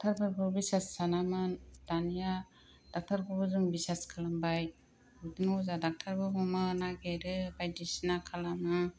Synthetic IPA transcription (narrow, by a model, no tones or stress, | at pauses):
tʰaɾbɯɾbɯbisesːanamɯnd̥anija | d̥ak̚tʰaɾbɯbɯzɯŋbiseskʰalambaj | budɯŋozadak̚tʰaɾbɯmɔmɯnaɡeɾɯbajdisinakʰalamɯ